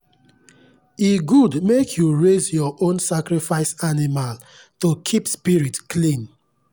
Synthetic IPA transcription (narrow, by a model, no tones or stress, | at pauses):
iɡudmekʰjuɹezjɔʔõnsakɹifaɪsanimal | tokʰipspiɹitklĩn